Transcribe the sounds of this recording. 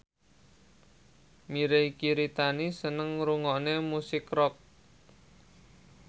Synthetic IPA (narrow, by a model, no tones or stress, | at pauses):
miɾekiɾit̪anisənəŋɾuŋɔnemusɪkrɔk̚